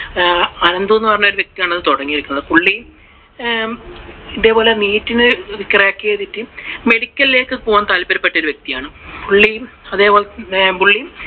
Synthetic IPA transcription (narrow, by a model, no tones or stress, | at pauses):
ɐnɐnd̪uenːɨpɐrɐɲːumoɾuʋjek̚t̪ijaːɳɐðɨt̪oɽɐŋːijiɾikʲːunːɐðɨpuɭːi | ind̪eːpo̞ːleniːtːinɨikːrɐjaːkːieːðitːɨme̞ɽikʲːɐlile̞ːkːɨpoːɐnt̪aːlpɐɾɐpːeʈːoɾuʋje̞k̚t̪ijaːɳɨpuɭːi | ɐðe̞ːpo̞ːlebuɭːi